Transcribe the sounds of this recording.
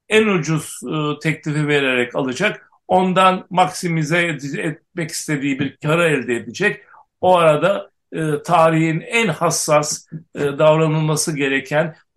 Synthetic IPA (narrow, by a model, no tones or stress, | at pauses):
ænud͡ʒuz̥t̪ʰɛclʲifive̞ɾeɾɛcalˠɯd͡ʒak | o̞nd̪anmaksimizɛd̪iɛt̪̚mɛci̥st̪ʰe̞d̪iːibiɾcʰaɾaɛlʲd̪ɛed̪id͡ʒɛc | oaɾad̪a | ɯt̪ʰaːɾihinænhasːasd̪avɾanɯlˠmasɯɟe̞ɾecʰæn